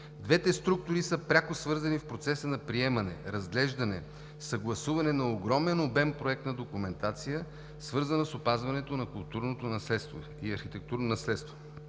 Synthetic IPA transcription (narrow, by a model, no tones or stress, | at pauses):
d̪vɛt̪ɛst̪ɾuk̚t̪ʊɾisəpɾʲakosvɤɾzɐnifpɾot̪sɛsənɐpɾiɛmɐnɛ̰ɾɐzɡlɛʒd̪ɐnɛ | sɐɡlˠɐsuvɐnɛnɐoɡɾɔmɛnobɛmpɾoɛk̚t̪nɐd̪okumɛnt̪at̪sijə | svɤɾzənɐsopazvɐnɛt̪onɐkʊlˠt̪uɾnot̪onɐslɛt̪st̪vo | iɐɾxit̪ɛk̚t̪uɾnonɐslɛt̪st̪vo̥